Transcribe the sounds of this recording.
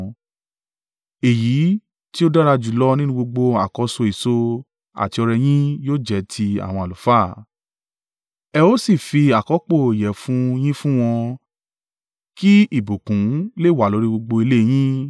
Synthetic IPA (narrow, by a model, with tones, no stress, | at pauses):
e˨jiː˨˦ | ti˦o˦da˦ɾa˧d͡ʒu˨lɔ˦nĩ˦nũ˧ɡ͡bo˧ɡ͡bo˧a̰˨kɔ˨˧so˧i˨so˧ | a̰˨ti˧ɔ˧ɾɛ˧j̃ĩ˦joː˦d͡ʒɛ˨˦tʰi˧a̰˨w̃ɔ̃˧a˨lu˨faː˦˨ | ɛ˧o˦si˦˨fi˧a˨kɔ˨˦k͡po˦˨i˨jɛ˨fũ˦j̃ĩ˦fũ˦w̃ɔ̃˧ | ki˦i˦˨bu˨kũ˨˦le˦˨wa˨lo˨˦ɾi˦ɡ͡bo˧ɡ͡bo˧i˧le˦˧j̃ĩ˦